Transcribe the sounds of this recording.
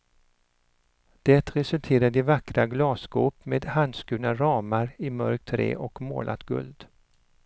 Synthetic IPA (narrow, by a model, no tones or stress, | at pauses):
d̪̥ɛt̪ɾɛsɵlt̪ʰeːɾad̪ɪvakɾaɡlɑːsɡuːpmeːd̪hand̪skʉ̟ːnaɾɑːmaɾɪmœɾk̚t̪ʰɾḛːʔɔkmo̰ːlʔa̰t̪ɡɵ̰ld̪